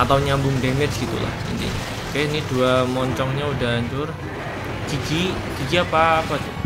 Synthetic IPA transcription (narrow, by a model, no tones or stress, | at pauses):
at̪awɲambʊŋdemɪt͡ʃɡ̥it̪ṵla̰hd͡ʒa̰nd̪ḭ | kajainiduamɔɲt͡ʃɔŋɲaudaɦaɲt͡ʃʊr | d͡ʒ̥iɡi | d͡ʒ̥id͡ʒiapaːpat̪u